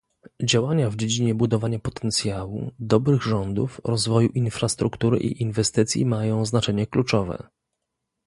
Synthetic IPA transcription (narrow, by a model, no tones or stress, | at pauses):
d͡ʑawaɲavd͡ʑed͡ʑiɲɛbud̪ɔvaɲapɔt̪ʰɛnt̪sʲjawṵd̪ɔbɾɘɣʐɔnd̪ṵfɾɔzvɔjuʔinfɾast̪ɾukt̪uɾɘ̰ʔḭʔinvɛst̪ɘt̪sʲjḭmajɔ̃w̃znat͡ʂɛɲɛklut͡ʂɔvɛ̰